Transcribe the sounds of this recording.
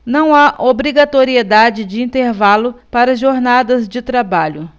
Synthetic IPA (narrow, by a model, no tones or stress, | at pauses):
nɐ̃w̃aʔobɾiɡat̪oɾied̪ad͡ʒɪd͡ʒɪĩnt̪eɾvalʊpaɾɐʒoɾnad̪ɐzd͡ʒɪt̪ɾabaʎʊ